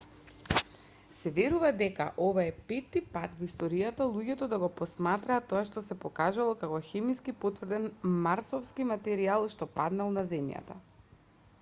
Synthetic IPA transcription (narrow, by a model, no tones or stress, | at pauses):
sɛvɛɾuvad̪ɛka̰ʔovaɛpɛt̪ːipat̪vist̪ɔɾijat̪alˠuɟɛt̪ɔd̪aɡɔpɔsmat̪ɾaːt̪ːɔaʃt̪ɔsɛpɔkaʒalˠɔkakɔxɛmiskipot̪vr̩d̪ɛnmaɾsɔfskimat̪ɛɾialˠʃt̪ɔpad̪nalˠnazɛmja̰t̪a̰